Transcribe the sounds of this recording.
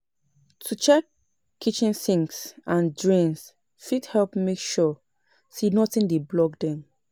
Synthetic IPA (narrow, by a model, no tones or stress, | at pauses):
tʰut͡ʃɛkʰː | it͡ʃĩnθĩŋksãndɹĩŋs | fithɛlpmekʃɔ | sinɔtĩndeblɔɡdɛ̃m